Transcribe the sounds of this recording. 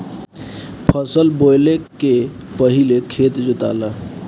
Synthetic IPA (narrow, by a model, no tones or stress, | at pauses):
pʰəsəlbojlekepəɦilekʰet̪d͡ʒut̪a̰lə